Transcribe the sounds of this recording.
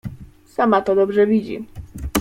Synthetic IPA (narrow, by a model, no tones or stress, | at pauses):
samat̪ɔd̪ɔbʐɛvʲid͡ʑḭ